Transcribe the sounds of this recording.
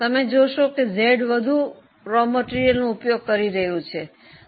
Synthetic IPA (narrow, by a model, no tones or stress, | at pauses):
t̪əmed͡ʒoʃokezeɖʋəd̪ʱu | ɾoməʈiɾijəlnõupjoɡ̚kəɾiɾəɦjũt͡ʃʰe